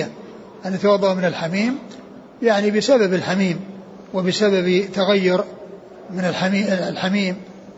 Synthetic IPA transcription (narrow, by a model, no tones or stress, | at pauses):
a | ʔanːat̪iwɑd̪ˤːɑmɪnɪlħamiːm | jaʕnibɪsababɪlħamiːm | wɪbɪsababt̪aɣajːʊɾ | mɪnɪlħamilħamiːm